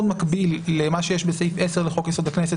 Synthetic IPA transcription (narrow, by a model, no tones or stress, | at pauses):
od̪makbilːemaʃejeʃbesejfʔeseʁleχo̞kjesod̪aknese